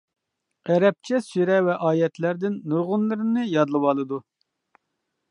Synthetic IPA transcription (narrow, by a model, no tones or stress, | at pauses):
ɛɾɛp̚t͡ʃʰɛsyɾɛvɛʔɑːjɛt̪læɾd̪ɪnːuɾʁʊnlˠɨɾɨnɨjɑd̪lˠɨwɑlˠɨd̪u